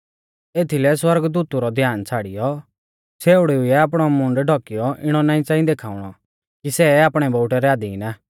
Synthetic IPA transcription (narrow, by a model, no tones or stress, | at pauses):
eːt̪ʰilɛswɐɾɡd̪uːt̪uɾɔd̪ʱjaːnt͡sʰaːɽɪjɔ | seːʊɽiʊiɛaːpɽ̃ɔmʊ̃ɳɖɖʱɔkɪjɔʔɪɽ̃ɔnaːĩt͡saːĩd̪eːkʰaːʊɽ̃ɔ | kisɛaːpɽ̃ɛbɔʊʈɛɾɛaːd̪iɪna